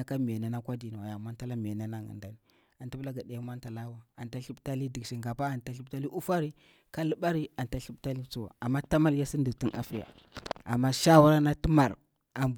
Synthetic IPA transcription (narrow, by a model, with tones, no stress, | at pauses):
a˨ka˦m˨e˨na˨na˦kʷa˦di˨na˨wa˨ja˨mʷa˦nta˦la˦m˨e˨na˦na˦ŋə̰˨nda˦ni˨ | a˨ntu˦bla˦ɡa˨da˨a˦ma˦nta˨la˦wa˨a˨nta˦ɬi˦bta˦li˦di˨kʃi˨ŋɡa˨pa˦a˨nta˦ɬi˦bta˦li˦ʔu˦fa˦ɾi˦ | ka˦lə˦ɓa˦ɾi˦a˨nta˦ɬu˦bta˦li˦t͡su˦wa̰˨a˨mːa˦ta˦ma˦lja˦si˦ndi˨ti˦nʔa̰˨fi˦ja̰˨ | a̰˨mːa˦ʃa˦wa˦ɾa˦na˦ti˦ma˨ɾ | a˨m